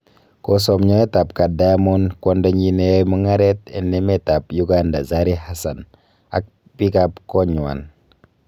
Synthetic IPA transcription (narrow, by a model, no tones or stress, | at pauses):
kosɔmɲɔetapkadamonkɔndaɲinemɔŋaɾetɛ̰nːemetapjuɡandazaɾihasan | a̰k̚ | pikapkɔɲua̰n